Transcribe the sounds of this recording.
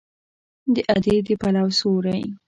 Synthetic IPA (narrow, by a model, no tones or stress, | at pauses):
d̪əʔad̪ed̪əpalawsoɾaj